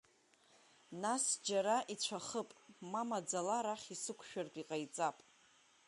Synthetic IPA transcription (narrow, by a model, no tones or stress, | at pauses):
nasd͡ʒaɾaʔit͡ɕʷʰaχəpʼmamad͡zalaɾaχʲisɨkʷʰʃᶣartʼiqʼajt͡sʼapʼ